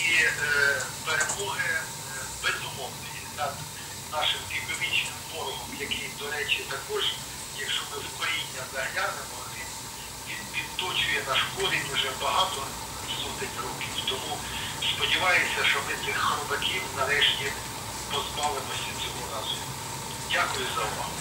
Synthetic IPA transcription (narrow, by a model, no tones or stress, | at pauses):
i | peɾemɔɦɪ | bɛzʊmɔɦnɔjinɐd̪ | nɑʃɪmpʲipɪʋit͡ʃnɪmbɔɾɔɦɔmjɐkid̪ɔɾɛt͡ʃit̪ɐkɔʒ | jʲikʃɔmɪwkɔjinʲːɐzɐɦɐlʲanɪmɔli | ʋʲid̪pʲid̪t̪ɔt͡ʃʊjɛnɐʃkɔd̪ʲitʊʒɛbɐɦɑt̪ɔ | sɔt̪ɪnʲrɔkʲiwt̪ɔmu | spɔdʲiʋɑjesʲɐʃt͡ʃɔmɪt̪sɪxɾɔbɐkʲiwnɐɾɛʃtʲi | pɔzbɑlˠɪmɔsʲɐt͡sʲɔɦɔɾɑzʊ | dʲakʊjʊzɐʊʋɑ̰ɦʊ